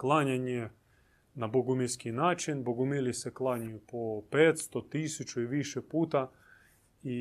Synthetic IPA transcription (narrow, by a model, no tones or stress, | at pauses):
klˠaɲaɲe | naboɡumiɾskinaːt͡ʃinboɡumiliseklˠaɲujupopeːt̪st̪ot̪isut͡ʃuiʋiʃepuːt̪a | i